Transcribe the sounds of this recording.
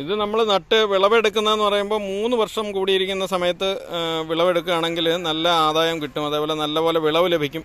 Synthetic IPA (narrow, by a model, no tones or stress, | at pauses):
iðɨnɐmːɐɭnɐʈːɨʋiɭɐʋe̞ɽukːunɐe̞nːɨpɐrɐjumbo̞ːmuːnːɨʋɐrʂɐmkuːɽijiɾikʲːunːɐsɐmɐjɐt̪ːɨʋiɭɐʋe̞ɽukːuaːɳe̞ŋɡilnɐlːɐaːd̪aːjɐmkiʈːumɐðeːpoːlenɐlːɐpo̞ːleʋiɭɐʋɨle̞bʱikʲːum